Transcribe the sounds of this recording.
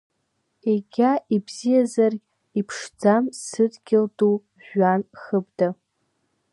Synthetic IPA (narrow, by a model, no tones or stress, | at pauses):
eɡʲaʔibzijazarɡʲ | ipʰʂd͡zamsɨdɡʲɪldʼu | ʒʷᶣanχəbda